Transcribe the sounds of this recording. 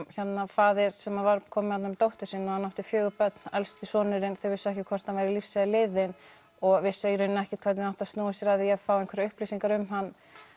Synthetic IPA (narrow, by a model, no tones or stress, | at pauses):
çɛt̪nafaːðɪɾ̥sɛmavaɾkʰɔːmɪhat̪namɪt̪owht̪ʏ̥siːnːɔhanːawht̪ɪfjœːɣʏpœt̪n̥alst̪ɪsɔːnɪɾɪnθœɥvɪsːʏɛhcɪkʰvɔɾ̥t̪hanvajɾɪlifsaɪlɪðɪn | ɔɣvɪsːejɾʏnːɪɛhcɪkʰvɛɾt̪nɪnaht̪ḁst̪uːwasjɛɾaðiafawejŋkvɛɾaʏhplisiŋkaɾʏmɦanː